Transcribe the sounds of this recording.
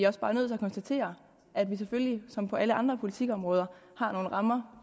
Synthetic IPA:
iɒ̽sb̥ɑ̈ːnøð̰ˠt͡sʰe̝æɐkʰɒ̽nsd̥æt͡sʰe̝̰ːɐ | ʔæd̥ʋiseføllisɒ̽mpʰɒ̽ʔæləɑ̈nd̥ʁɐpʰo̝lit͡sʰiɡ̥ɒ̽mʁɔ̽ːð̞ˠɐhɑ̈no̝ːn̩ʁɑ̈mɐ

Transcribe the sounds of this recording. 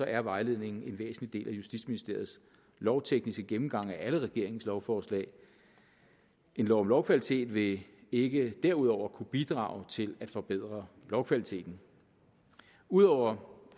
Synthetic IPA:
sɒ̽ʔæɐʋɑ̈ɪle̝ð̞̰ˠne̝ŋn̩e̝nʋḛːsn̩lid̥e̝̰ːlʔæjusd̥id̥sminisd̥e̝ɐð̩ˠs | lɒʊt͡sʰeɡ̥nisɡ̥əɡ̥emm̩ɡ̥ɑ̈ŋ̰æʔæləʁɛɡ̥e̝ɐ̰e̝ŋ̩slɒʊfɒːslɛ̰ːɪ | ʔe̝nlɒʊmlɒʊkʰʋælit͡sʰe̝̰ːd̥ʋe̝eɡ̥əd̥eɐ̰uð̞ˠɒʊ̰ɐkʰub̥id̥ʁɑ̰̈ːʊt͡sʰe̝læd̥fɒ̽b̥eð̞̰ˠʁɐ | lɒʊkʰʋælit͡sʰe̝̰ːd̥n̩ | uð̞ˠɒʊ̰ɐ

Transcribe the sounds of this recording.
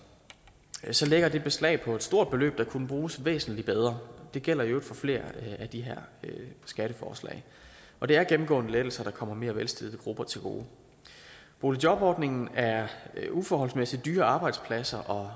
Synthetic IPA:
sɒ̽leɡ̥ɐd̥e̝b̥e̝slɛ̰ːɪpʰɒ̽e̝d̥sd̥o̝ɐ̰d̥̚b̥e̝lø̰ːb̥̚d̥ɑ̈kʰunəb̥ʁuːsʋḛːsn̩lib̥eð̞ˠʁɐd̥e̝ɡ̥el̰ɐieʊd̥fɒ̽fle̝̰ːɐæd̥iɦeɐ̰sɡ̥æɾ̥əfɒ̰ːslɛ̰ɪ | ʔɒ̽d̥e̝æɐɡ̥em̩ɡ̥ɔ̰̽ːnəled̥l̩sɐɾ̥ɑ̈kʰɒ̽m̰ɐme̝ːɐʋelsd̥el̩ˠəɡ̥ʁub̥ɐt͡sʰe̝lɡ̥o̝̰ː | b̥o̝lidjɒ̽b̥ɒ̰ːd̥ne̝ŋn̩æɐufɒːhɒ̽lsmesi̥d̥yːɐɑ̈ːb̥ɑ̈ɪd̥spʰlæsɐʔɒ̽

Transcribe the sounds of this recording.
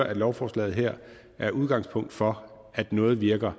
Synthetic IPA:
ɐʔæd̥lɒʊfɒːslɛ̰ːð̞̩ˠɦeɐ̰ | ʔæɐʔuðˠɡ̥ɑ̈ŋspʰɔ̽ŋ̰d̥fɒ̽ | æd̥nɔ̽ːð̩ˠʋiɐɡ̥ɐ

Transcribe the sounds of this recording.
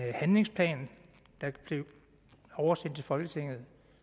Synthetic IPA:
hænle̝ŋspʰlɛ̰ːn | d̥ɑ̈b̥le̝ʊ | ɒʊɐsen̰d̥̚t͡sʰe̝lfɒ̽lɡ̥ət͡sʰe̝ŋ̰ð̞̩ˠ

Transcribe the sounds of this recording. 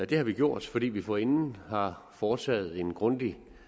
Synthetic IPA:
d̥e̝hɑ̈ʋiɡ̥jo̝ɐ̰d̥fɒ̽d̥ḭːʋifɒ̽e̝nn̩hɑ̈ | fɒːt͡sʰɛ̰ːð̞̩ˠe̝nɡ̥ʁɔ̽nd̥i

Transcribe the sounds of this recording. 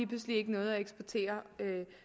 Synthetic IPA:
ib̥pʰluslie̝ɡ̥ənɔ̽ːð̞̩ˠæeɡ̥sb̥oɐt͡sʰe̝̰ːɐø

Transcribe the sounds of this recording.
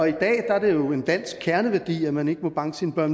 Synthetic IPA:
ɒ̽id̥ɛ̰ːd̥ɑæɐd̥e̝jo̝e̝nd̥æn̰sɡ̥̚kʰːæɐnəʋæɐd̥ḭːæmæne̝ɡ̥əmɒ̽b̥ɑ̈ŋəsinəb̥ɶɐ̰n

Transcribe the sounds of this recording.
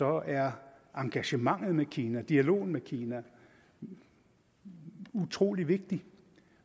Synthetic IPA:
sɒ̽æɐ | ɑ̈ŋɡ̥æɕəmɑ̈ŋ̰ð̞̩ˠmekʰiːnæd̥iælo̝̰ːn̩mekʰiːnæ | ut͡sʰʁo̝̰ːliʋe̝ɡ̥̚d̥i

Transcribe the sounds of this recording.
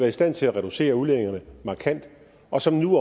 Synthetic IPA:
ʋæːɐisd̥æn̰t͡sʰe̝læʁɛɾ̥use̝̰ːɐule̝ðˠeŋɐnəmɑ̈ːkʰæn̰d̥ | ɒ̽sɒ̽mnuɒ

